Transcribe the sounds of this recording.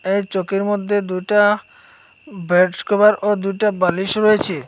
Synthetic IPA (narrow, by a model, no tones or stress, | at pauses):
ejt͡ɕokeɾmod̪ʱːed̪ujʈa | bɛʈkɔbaɾʔod̪ujʈabaliʃɾɔet͡ɕʰe